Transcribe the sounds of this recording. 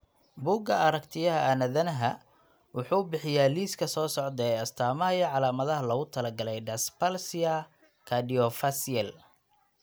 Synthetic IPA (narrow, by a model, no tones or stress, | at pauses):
buːɡɐɐɾɐkt̪ʰɪjɐɦɐʔɐnɐðɐnɐɦɐ | wʊħuːbɪħɪjaːliːskʰɐsɔːsɔʕd̪ɛːɐst̪ʰaːmɐɦɐjɐʕɑlaːmɐðɐɦɐlɐɣʊt̪ʰɐlɐɡɐlɛjɖɐspalsɪɐ | kʰɐɖiɔfɐsɪɐl